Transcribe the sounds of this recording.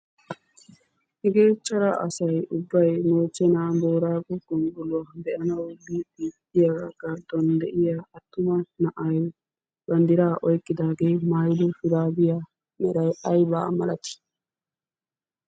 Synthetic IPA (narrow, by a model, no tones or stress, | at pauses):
hɛɡeːt͡ʃʼːɐɾɐʔɐsɐjʊbːɐjmoːt͡ʃːɛnaːbo̞ːɾaːɡɔɡ̥ɔŋɡʊlʊɐb̪ɛʔɐnɐwbibiːt̪ːɪjɐɡɐɡɐɾd̪ɔnd̪ɛʔɪjaɐt̪ːʊmɐnɐʔɐj | bɐnd̪ɪɾaːʔɔjkʼːɪd̪aːɡeːmajd̪ʊfɪd̪aːbɪja | mɛɾɐjʔɐjba̰ːmɐ̰lɐt̪ɪ̥